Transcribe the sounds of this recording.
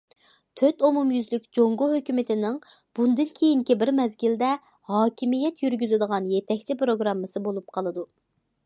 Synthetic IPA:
t̪ʰøt̪omumjyzlykʲd͡ʒoŋɡoɦøkʲymɪt̪ʰɪnɪŋ | b̥und̪ɪnkʲʰejiŋkʲibɪɾmɛzɡʲild̪ɛ | hɑːkʲʰimijɛt̪jyɾɡʲyzɪd̪əʁɑnjet̪ʰɛkʲt͡ʃʰipɾoɡɾɑmːɨsɨbolˠup̚qʰɑlˠɨd̪u

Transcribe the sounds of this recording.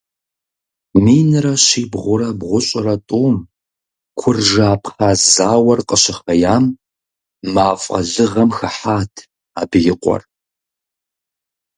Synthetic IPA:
miːnɨrɐɕiːbʁʷʊɾɐbʁʷʊɕʼɪrɐtʼuːm | kʷʰʊrʒaːpʰχaːzaːwɐrqʼəɕɪχɐjaːmː | aːfʼɐ̰ɮɨʁɐmxɐħaːtʰ | aːbɨjɪqʷʼɔ̰r

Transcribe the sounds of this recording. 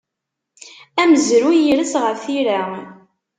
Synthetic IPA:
æməzɾujiɾəsʁəɾθiɾa

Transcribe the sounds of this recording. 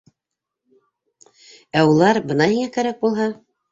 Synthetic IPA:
æulˠɑɾbɤ̆nɑhiŋækæɾæk̚bulˠɦɑ

